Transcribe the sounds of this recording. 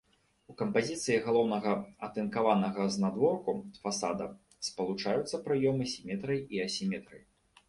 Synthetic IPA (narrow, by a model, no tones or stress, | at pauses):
ukɐmpazʲit̪sɨjiɣalˠɔwnɐɣɐɐt̪ɨnkavanɐɣɐznad̪vɔrkufasad̪ɐ | spɐlˠut͡ʂajut̪sːɐpɾɨjɔmɨsʲimʲɛt̪ɾɨjiɐsʲimʲɛt̪ɾɨj